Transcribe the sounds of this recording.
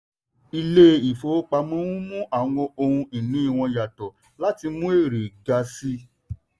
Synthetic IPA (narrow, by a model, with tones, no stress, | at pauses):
i˧le˦i˨fo˨˦k͡pa˧mɔ̃˦wũ˦mũ˦ʔa˦˨wɔ̃˧o˧hũ˧i˨nũ˨˦i˦˨w̃ɔ̃˧ja˨tɔ˨ | la˦ti˧mũ˦e˦˨ɾe˨ɡa˧si˧˦